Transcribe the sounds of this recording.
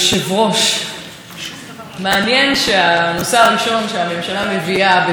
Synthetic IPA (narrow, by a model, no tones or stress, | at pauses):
ʃevʁo̞ʃ | meanjenʃeanoseaʁiʃo̞nʃeame̞mʃalameviabe